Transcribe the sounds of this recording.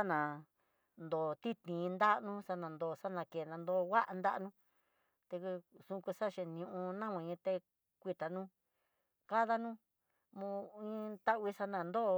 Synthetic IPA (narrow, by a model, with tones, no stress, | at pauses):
a˦nã˨ | nd̪o˨t̪i˦t̪nĩ˨˧nd̪a˦˧nũ˦sa˧nã˨nd̪o˨sa˦nã˧ke˨nã˧nd̪o˧wa˦ʔa˧nd̪a˦ʔnũ˦ | t̪e˧ksũ˧ku˧sa˦˨ʃẽ˧˨˧ñ˧ũ˧ʔũ˧nã˦mã˧ɲĩ˧t̪e˧ | kʷi˧t̪a˨nũ˦ | ka˦ða˧nũ˦ | mũ˧ĩ˦t̪a˦ʔβi˧sa˧nã˧˨nd̪o˦˧